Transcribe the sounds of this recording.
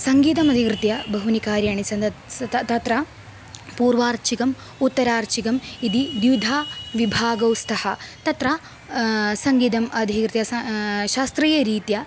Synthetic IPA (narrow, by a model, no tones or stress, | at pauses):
sɐŋɡiːt̪ɐmɐd̪ʱikɾɨt̪jɐbʱɐɦunikaːɾjaːɳisɐnd̪ɐɐt̪ɐt̪ɾɐ | puːɾʋaːɾt͡ʃikɐm | ut̪ːɐɾaːɾt͡ʃikɐmid̪id̪jud̪ʱaːʋibʱaːɡɐwst̪ʰɐhɐt̪ɐt̪ɾɐ | sɐŋɡiːd̪ɐmɐd̪ʱikɾt̪jɐʃaːst̪ɾiːjɐɾiːt̪jɐ